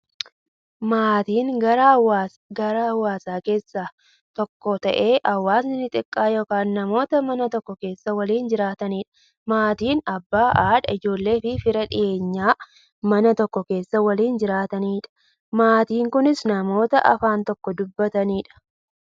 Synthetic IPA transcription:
maːt̪iːŋɡɐɾawa | ɡɐɾɐɐwːaːsaːke̞ːsːa | t̪ɔkːɔt̪ɐʔe̞ːʔɐwːaːsnɪnɪt̪ʼɪkʼːaːjoːkaːnːɐmo̞ːt̪ɐmɐnɐt̪ɔkːɔke̞ːsːɐwɐliːnd͡ʒɪɾaːt̪ɐniːᶑɐ̥ | maːt̪iːnɐbːaːʔaːᶑɐɪd͡ʒo̞ːlːe̞ːfɪfɪɾɐᶑɪ̰je̞ːɲːaː | mɐnɐt̪ɔkːɔke̞ːsːɐwɐliːnd͡ʒɪɾaːt̪ɐniːᶑɐ̥ | maːt̪iːŋkʊnɪsnɐmo̞ːt̪ɐʔɐ̰faːnt̪ɔkːɔd̪ʊbːɐt̪ɐniːᶑɐ̥

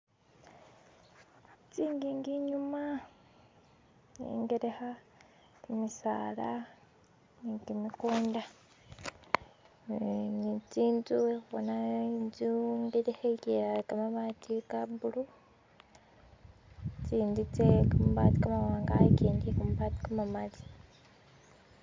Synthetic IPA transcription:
t͡siːŋɡiŋɡiɲuma | nḛŋɡeɾexa | timisa̰ːla̰ | niŋɡimikuːnda | nit͡siːnzuexuβonanzuŋɡeɾexekeakamamatikabulu | t͡ʃiːndit͡sekamuβati̥kamawaːŋɡaceːndikamuβati̥kamamali

